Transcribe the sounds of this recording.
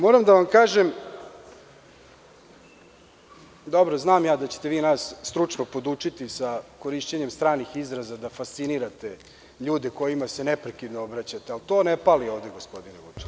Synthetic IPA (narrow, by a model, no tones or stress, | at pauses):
mo̞ːɾamd̪aʋamkaːʒem | d̪o̞bɾoznaːmjaːd̪at͡ɕe̥t̪eʋiːnaːssːt̪ɾut͡ʂnopo̞d̪uːt͡ʂit̪isako̞ɾiʃt͡ɕeɲemst̪ɾaːnixizɾazad̪afast̪siniɾat̪e̞ | ʎuːd̪e̞ko̞jimase̞nepɾekid̪noobɾat͡ɕat̪ealt̪o̞ːnepalio̞ːvd̪eɡo̞spo̞d̪ineɡut͡ʃe̥